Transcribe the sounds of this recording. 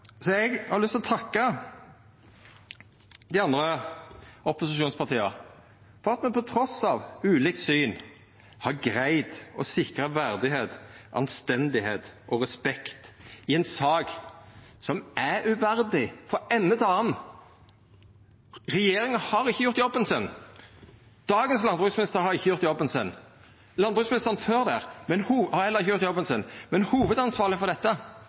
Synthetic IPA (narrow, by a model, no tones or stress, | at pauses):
sɔɛɡhɑɾlʏst̪ʰlɔt̪ʰɑkːə | d̪ɪɑnd̪ɾə | ɔpʊsɪʃuːnspʰɑʁt̪ʰiːə | fɔɾɑt̪mɛnpɔt̪ʰɾɔsɑʋʉːliːk̪̚syːn | hɑɾɡɾæɪd̪ɔsɪkɾəʋæɾd̪ɪɦeːt̪ʔɑ̰nst̪ɛnd̪ɪheːt̪ʔɔʁɛspɛkt̪ɪɛɪnsɑːɡ | sɔmʔæʉʋæɾd̪ɪfɔɛnːəd̪ɑːən | ʁɛjeːɾɪŋəhɑɾɪçːəjʊɾt̪jɔbənsɪnː | d̪̥ɑːɡənslɑnbʁʉksmɪnɪst̪əɾhɑɾɪçːəjʊɾt̪jɔbːənsɪnː | lɑnbʁʉsmɪnɪst̪əʁnføːɾd̪æɾmɛnhuhɑɛləɾɪçːəjʊɾt̪jɔbənsɪnmɛnhuːʋəd̪ɑnsʋɑːʁlɪfɔɾd̪ɛt̪ːə